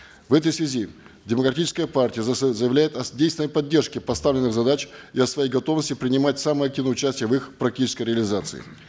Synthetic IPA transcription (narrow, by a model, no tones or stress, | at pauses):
vɛt̪əjsvʲɪzʲi | dʲɪməkɾɐtʲit͡ɕɪskəjəpartʲɪjəzəjɪvlʲæjɪt̪ɐdʲejsvɪnəjpɐdʲːe̞rʂkʲɪpɐst̪avlʲɪnɨɣzɐd̪at͡ɕɪɐsvɐjejɡɐt̪o̞vnəsʲtʲɪpɾʲɪnʲɪmatʲsaməjɐk̚tʲivnəʊt͡ɕæsʲtʲɪjəvɨxpɾɐk̚tʲit͡ɕɪ̥skəjɾʲɪəlʲɪzat̪sɨ̰ɪ̰